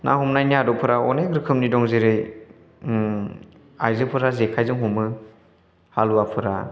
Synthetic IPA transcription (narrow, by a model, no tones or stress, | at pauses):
nʔa̰ɦumnajniadɔpʰɯɾaɔ̰nekɾɯkʰɯmnidɔŋzeɾɯj | ajzɯpʰɯɾazekʰajzɯŋɦumɯ | haluapʰɯɾa̰